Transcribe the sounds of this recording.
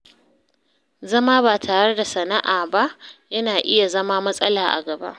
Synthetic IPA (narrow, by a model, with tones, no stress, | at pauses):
zɐ˦maː˦baː˨tʰaː˨ɽɐ˦da˨sɐ˨na˦ʔaː˨ba˦ʔjɐ˦naː˨ʔɪ˦ja˨zɐ˦maː˦mɐ˦sʼɐ˦laː˨ʔa̰˨ɡɐ˨ba̰˦ʔ